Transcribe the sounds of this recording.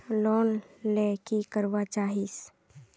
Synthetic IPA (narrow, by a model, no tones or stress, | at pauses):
lɔːnlɛːkikəɾʋat͡ʃaːɦis